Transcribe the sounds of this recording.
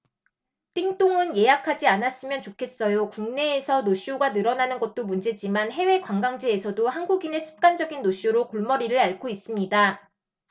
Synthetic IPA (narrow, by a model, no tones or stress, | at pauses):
t͈iŋt͈oŋɯnje̞jakʰad͡ʑianas͈ɯmjʌnt͡ɕokʰe̞s͈ʌjokuŋne̞ːsʰʌnoɕ͈oɡanɯɾʌnanɯnɡʌt̚t͈omund͡ʑe̞d͡ʑimanɦe̞we̞kwaŋɡaŋd͡ʑiesʰʌdohanɡuɡine̞sʰɯ̥p̚k͈and͡ʑʌɡinːoɕ͈uɾokoɭmʌɾiɾɯɾaɭkʰois͈ɯmɲida